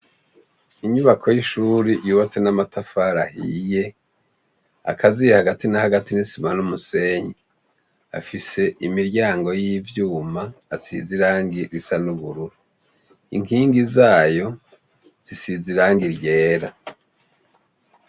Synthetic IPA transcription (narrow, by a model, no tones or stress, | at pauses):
iɲuβakʰo̞jiʃuːɾijuːβat͡se̞namatafaɾahḭje̞ | a̰kʰazijehaɡatinahaɡatinisimanumuse̞ɲi | a̰fise̞ʔimiɾɟaːŋɡo̞jiːvjuːmaːsḭziɾaːŋɡiɾisanuβuɾuɾu | ḭŋkiːŋɡizaːjo̞ | z̥isiziɾaːŋɡiɾje̞ːɾa